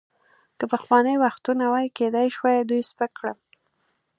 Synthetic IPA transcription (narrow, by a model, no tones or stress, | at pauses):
kəpəxwɑnəjwaxt̪unawajked̪ajʃwajd̪ujspəkɽəl